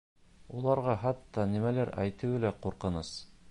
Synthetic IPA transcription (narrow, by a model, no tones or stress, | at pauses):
ulˠɑɾʁɑɦɑt̪ːɑnimælæɾæ̰jt̪ɘ̆wɘlæquɾqɤ̆nɤs